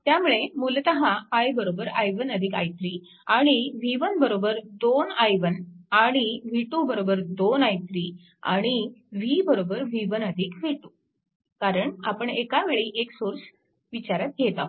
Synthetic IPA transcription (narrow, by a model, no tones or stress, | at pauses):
t̪jamuɭemult̪əɦãəjbəɾobəɾajʋənəd̪ʱikajt̪ɾi | aɽ̃iʋiʋənbəɾobəɾd̪onajʋənaɽ̃iʋiʈubəɾobəɾd̪onajt̪ɾi | a̰ɽ̃iʋibəɾobəɾʋiʋənəd̪ʱikʋiʈu | kaɾəɳapəɳekaʋeɭiʔeksoɾs | ʋit͡ɕaɾat̪̚ɡet̪a